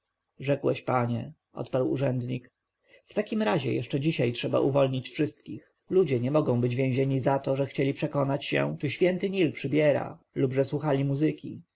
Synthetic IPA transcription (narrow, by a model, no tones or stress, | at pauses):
ʐɛkwɛɕpaɲɛ | ʔɔ̰t̪paɾwṵʐɛnd̪ɲik | ft̪akʲimɾaʑɛ̰jɛ̰ʂt͡ʂɛd͡ʑiɕajtʂɛba̰ʔuvɔlɲit͡ɕfʂɘst̪kʲix | lud͡ʑɛɲɛmɔɡɔ̃w̃bɘd͡ʑvʲjɛ̃ʑeɲizat̪ɔʐɛxt͡ɕelʲipʂɛkɔnat͡ɕɕɛ̰t͡ʂɘɕfʲjɛnt̪ɘɲilpʂɘbʲjɛɾa̰ | lubʐɛswuxalʲimuzɘkʲi